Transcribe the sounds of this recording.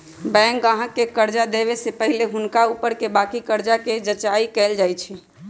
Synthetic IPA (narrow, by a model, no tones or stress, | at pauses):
bɛ̃ŋkəɦãkːekəɾd͡ʒad̪eβesepəɦileɦʊnkaupəɾkebakikəɾd͡ʒaked͡ʒət͡ʃaikɛld͡ʒajt͡ʃʰɛ